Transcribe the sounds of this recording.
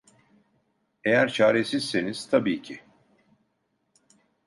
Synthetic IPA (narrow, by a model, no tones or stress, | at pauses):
e̞jæɾt͡ʃʰaːɾe̞siz̥se̞niz̥t̪ʰabiːcʰi